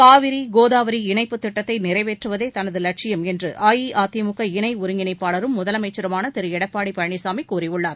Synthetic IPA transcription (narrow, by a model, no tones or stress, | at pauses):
kaːʋɪɾiɡoːðaːʋɐɾiɪɳɐɪpːɯt̪ːɪʈːɐt̪ːɐɪnɪɾɐɪʋeːʈrɯʋɐðeːt̪ɐnɐðɯlɐʈ̚t͡ʃɪjɐmɛndrɯʔaːjiʔaːt̪ɪjɐmʊkːɐɪɳɐɪʊɾɯŋɡɪnɐɪpːaːɭɐɾɯmːʊðɐlɐmɐɪt͡ʃːɐɾɯmaːnɐt̪ɪɾɯɛɽɐpːaːɽipɐɻɐɳɪsaːmikːuːɾɪjɯɭːaːɾ